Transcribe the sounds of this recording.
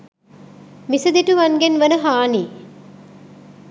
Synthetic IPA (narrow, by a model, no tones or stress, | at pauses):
misəd̪eʈuʋanɡenʋənəɦaːniː